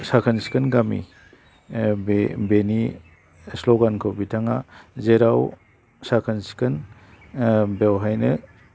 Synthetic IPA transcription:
sakʰɯnsi̥kɯnɡamḭ | bebeni | sloɡankʰɯwbitʰaŋazeɾaw | sakʰɯnsi̥kɯn | bewɦajnɯ

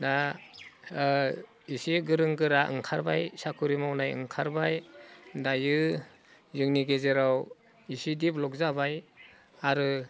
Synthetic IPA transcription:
da | isiɡɯɾɯŋɡɯɾaʔɯ̰ŋkʰaɾbajsakʰuɾimawnajɯ̰ŋkʰaɾbajdajɯ | zɯŋniɡezeɾaw | isidiplɔk̚zabaj | aɾɯ

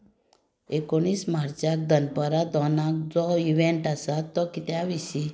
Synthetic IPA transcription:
ekoɽ̃iːsmaɾt͡ɕak̚d̪ənpəɾad̪ɔnak̚d͡zɔiʋeɳʈasat̪ːɔkit̪jaʋisi

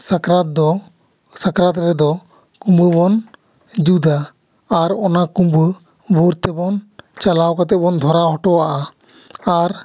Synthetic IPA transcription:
sakɾat̪̚d̪ɔ | sakɾat̪ɾɛd̪ɔ | kũmbəbɔn | d͡ʒud̪aː | ɾɔnakumbə | buɾt̪ɛbɔnt͡ʃalawkat̪ɛbɔnd̪ʱɔɾaɦɔʈɔwaʔa | aɾ

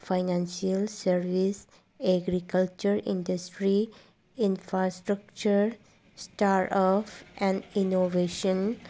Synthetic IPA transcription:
fʰajnãnsiɐlsəɾʋis | eɡɾikalt͡ʃuɾḭ̃ndɐsʈɾi | infʰɾasʈɾək̚t͡ʃuɾ | sʈaɾɔpɛ̃nɖinoveʃən

